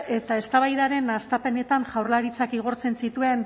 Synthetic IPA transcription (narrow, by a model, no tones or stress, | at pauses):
e̞t̪ae̞st̪aβajðaɾe̞nast̪ape̞ne̞t̪aŋʝawrlaɾit͡sakiɣ̞o̞ɾt͡se̞nsit̪ue̞n